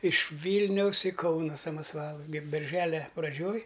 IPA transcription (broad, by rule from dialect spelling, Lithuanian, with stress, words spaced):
ɪʃ ˈʋʲiːlʲnʲɛʊs iː ˈkɐʊnɐ sɐmɐsˈʋɑːlˠʊ ɡʲɛ bʲɛrʲˈʒʲæːlʲɛ prɐˈd͡ʒʲoːj